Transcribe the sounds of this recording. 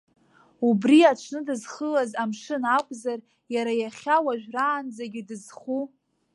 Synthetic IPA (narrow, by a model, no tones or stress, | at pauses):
ubriaʈ͡ʂʷʰnɨdɨzχəlazamʂɨnakʷʼzar | jaɾajaχʲawaʒᶣʷraːnd͡zaɡʲɪdɨzχu